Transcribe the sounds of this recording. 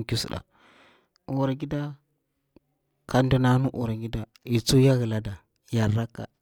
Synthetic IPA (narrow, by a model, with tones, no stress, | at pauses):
ki˦sṵ˨da̰˨ | u˨ɾa˨ɡi˦da˦ | ka˨˦ndu˨na˦nu˦ʔu˨ɾa˨ɡi˦da˨ | i˨t͡su˦ja˦ɣə˨la˦da˨ | jaː˨a˦ka̰˦˨